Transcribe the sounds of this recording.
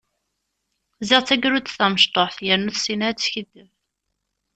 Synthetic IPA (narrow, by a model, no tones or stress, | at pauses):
zɪʁt͡sːæɡɾut͡s̪θæməʃt̪ˤoħθjænuθsinæt͡sːçəd̪ːəv